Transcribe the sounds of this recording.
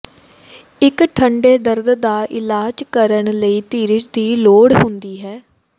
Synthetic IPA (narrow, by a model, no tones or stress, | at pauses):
ɪkʈʰəɳɖeːd̪əɾd̪d̪aːʔɪlaːd͡ʒkəɾəɳləiːt̪iːɾɪt͡ʃd̪iːloːɽɦʊnd̪iːɦɛː